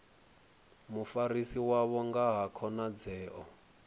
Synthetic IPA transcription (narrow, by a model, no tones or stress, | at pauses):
mufaɾisiwaβɔŋɡaɦakʰɔnad͡zɛːʔɔ